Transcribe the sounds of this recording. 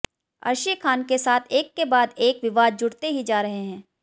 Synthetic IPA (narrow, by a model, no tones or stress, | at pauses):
ɐ̰ɾʃikʰaːnkesaːt̪ʰeːkːebaːd̪eːkʋɪʋaːd̪̚d͡ʒʊɽt̪eɦid͡ʒaːɾɐɦeɦɛ̃ː